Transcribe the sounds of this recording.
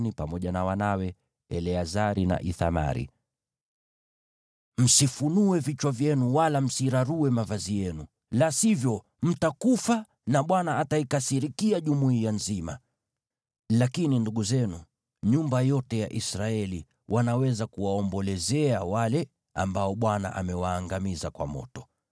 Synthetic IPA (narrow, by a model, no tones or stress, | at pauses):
nipamɔʄanawanawɛ | ɛ̰lɛazaɾina̰ʔiθa̰ma̰ɾḭ | m̩sifunuɛvit͡ʃwavjɛnuwalam̩siɾaɾuɛmavazijɛnu | lasivjɔ | m̩takufa | naɓwanaːtaikasiɾikiaʄumuianzima̰ | lakininduɠuzɛnu | ɲumbajɔtɛja̰ʔisɾaɛli | wʔanawɛzakuwaɔmbɔlɛzɛawalɛ | a̰mbaɔɓwana̰ʔa̰mɛwaːŋɡamizakwa̰mɔ̰tɔ̥